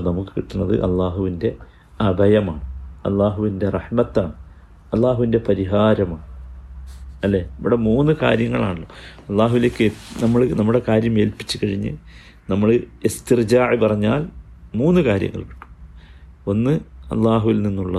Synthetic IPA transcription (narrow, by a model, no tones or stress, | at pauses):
nɐmukːɨ̥kiʈːunːɐðɨ̰ʔɐ̰lˠːaːɦuʋinde̞ | ɐbʱɐjɐmaːɳɨɐ̰lˠːaːɦuʋinde̞rɐħmɐt̪ːa̰ːɳɨ | ɐlːaːɦuʋinde̞pɐɾiɦaːɾɐmaːɳɨ | ɐlːe̞ːiʋiɽemuːnːɨka̰ːɾjɐŋːɐɭa̰ːɳuɭːo̞̰ɐlˠˤːaːɦuʋileːkːenɐmːɐɭnɐmːuɽe̞kaːɾjɐme̞ːlpi̥t͡ɕːɨkɐɻiɲːɨ̰ | nɐmːɐɭɨist̪ird͡ʑaːʕipɐrɐɲːaːlmuːnːɨkaːɾjɐ̰ŋːɐ̰ɭki̥ʈːu̥ | o̞nːɨɐ̰lˠːaːɦuʋilninːuɭːɐ